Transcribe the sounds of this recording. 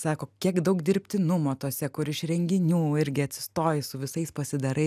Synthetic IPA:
sɑːkoːkʲiɛkd̪ɐʊkd̪ʲɪɾʲpʲt̪ʲɪnʊmoːt̪uɔsʲɛkʊɾɪʃɾʲɛŋʲɡʲɪnʲuːɪɾʲɡʲɪɐt̪ʲsʲɪ̥st̪oːjɪsʊʋʲɪsɐɪspɐsʲɪd̪ɐɾɐɪ

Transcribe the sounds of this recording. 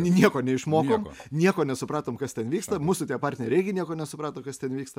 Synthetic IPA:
nʲiɛkoːnʲɛɪʃmoːkoːm̰nʲiɛkoːnʲɛsʊpɾɑːt̪oːmkɐst̪ʲɛnʋʲiːkst̪ɐmuːsʊt̪ʲiɛpɑɾʲt̪ʲnʲɛɾʲɪɛɪɡʲɪnʲiɛkoːnʲɛsʊpɾɑːt̪oːkɐst̪ʲɛnʋʲiːkst̪ɐ

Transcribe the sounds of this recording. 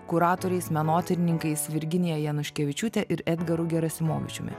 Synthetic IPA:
kʊɾɑːt̪oːɾʲɛɪsmʲɛnoːt̪ʲɛɾʲɪnʲɪŋkɐɪsʋʲɪɾʲɡʲɪnʲɪjɛjɛnʊʃʲkʲɛʋʲɪt͡ʃʲuːt̪ʲɛʔɪɾɛd̪ɡɐɾʊɡʲɛɾɐsʲɪmoːʋʲɪ̰t͡ʃʲʊmʲɪ̰

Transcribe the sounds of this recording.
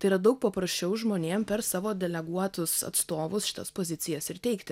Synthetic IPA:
ɐɪiɾɐd̪ɐʊk̚pɐpɾɐsʲt͡ʃʲɛʊʒmoːnʲeːmpʲɛɾsɑːʋoːd̪ʲɛlʲɛɡuɔt̪ʊsɐ̰t̪st̪oːʋʊsʃʲɪ̥t̪ɐ̰spoːzʲɪt̪sʲɪjɛsɪɾt̪ʲɛɪkt̪ʲɪt

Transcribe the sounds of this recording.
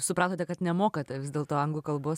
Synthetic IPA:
sʊpɾɑːt̪oːt̪ʲɛkɐt̪nʲɛmoːkɐt̪ʲɛʋʲɪzd̪ʲeːlˠt̪oːɐŋɡlˠuːkɐlˠboːs

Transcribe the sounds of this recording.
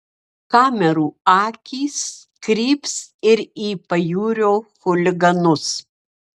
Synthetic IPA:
kɑːmʲɛɾuːɑːkʲiːs | kɾʲiːpsɪɾiːpɐjuːɾʲoːxʊlʲɪɡɐnʊs

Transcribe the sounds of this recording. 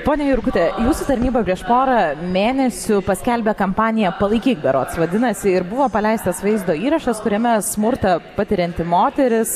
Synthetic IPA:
poːnʲɛjʊɾkʊt̪ʲejuːsut̪ɐɾʲnʲiːbɐpʲɾʲiɛʃpoːɾɐmʲeːnʲɛsʲʊpɐsʲkʲɛlʲbʲeːkɐmpɑːnʲɪjɛpɐlˠɐɪkʲiːɡ̚bʲɛɾoːt̪sʋɐd̪ʲɪnɐsʲɪɪɾbʊʋoːpɐlʲɛɪst̪ɐsʋɐɪzd̪oːiːɾɐʃɐskʊɾʲɛmʲɛsmʊɾt̪ɐpɐt̪ʲɪɾʲɛnʲt̪ʲɪmoːt̪ʲɛɾʲɪs

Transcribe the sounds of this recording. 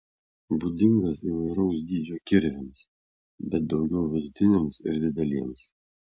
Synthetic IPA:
buːd̪ʲɪŋɡɐsiʋɐɪɾɐʊsd̪ʲiːd͡ʒʲoːkʲɪɾʲʋʲɪms | bʲɛt̪̚d̪ɒʊɡʲɛʊʋʲɪd̪ʊt̪ʲɪnʲemsɪ̰ɾd̪ʲɪd̪ʲɛlʲiɛms

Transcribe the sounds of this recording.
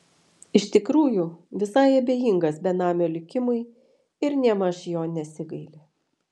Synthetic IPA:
ɪʃt̪ʲɪkɾuːjʊʋʲɪsɐɪɐbʲeːjɪˑŋɡɐsbʲɛnɑːmʲoːlʲɪkʲɪmʊɪ | ɪɾnʲɛmɐʃjoːnʲɛsʲɪɡɐɪlʲe

